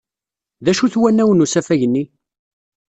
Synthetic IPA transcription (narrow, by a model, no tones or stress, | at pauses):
ðæʃuθwænːæwənusæfæʝənːi